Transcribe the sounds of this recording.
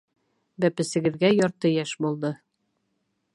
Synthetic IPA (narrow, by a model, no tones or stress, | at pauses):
bæpɘ̆sɘ̆ɡɘ̆ðɡæjɒɾt̪ɤjæʃbulˠd̪ɤ